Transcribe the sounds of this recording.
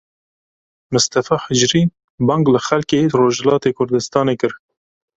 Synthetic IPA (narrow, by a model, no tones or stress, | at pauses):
mʊst̪ɐfɑːħɪd͡ʒɾiː | bɑːŋɡlɨxɛlkeːroːʒɛlɑːt̪eːkʰʊɾd̪ɨst̪ɑːneːkɨɾ